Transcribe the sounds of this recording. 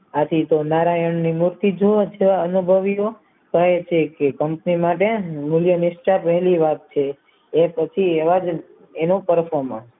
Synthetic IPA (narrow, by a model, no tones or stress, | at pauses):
at̪ʰit̪onaɾajəɳnimuɾt̪id͡ʒod͡ʒeʋaənubʱəʋijo | t̪əet͡ʃʰekekəmpnimaʈemuljənisʈapəɦliʋat̪̚t͡ʃʰeː | pət͡ʃʰieʋad͡ʒ | enopəɾfoɾmən